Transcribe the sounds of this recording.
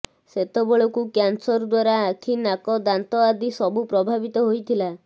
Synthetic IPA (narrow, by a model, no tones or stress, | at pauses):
set̪ebɔɭɔkukjansɔɾd̪waɾaːkʰinakɔd̪ant̪ɔad̪isɔbupɾɔbʱabit̪ɔɦojt̪ʰila